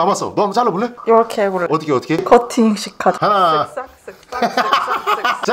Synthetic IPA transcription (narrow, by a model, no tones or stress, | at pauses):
amas͈ʌ̰nʌmt͡ɕaɭːoboɭːeɾkʰeboɭʌt̪͈ʰɯ̥kʰeʌt͈ʰɯ̥kʰekʰʌtʰiŋɕʰikʰada | t͡ɕa